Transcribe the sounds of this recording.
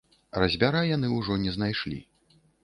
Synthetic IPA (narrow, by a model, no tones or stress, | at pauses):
rɐzʲbʲaɾajan̪ɨwʐɔnʲɛzn̪ajʂlʲḭ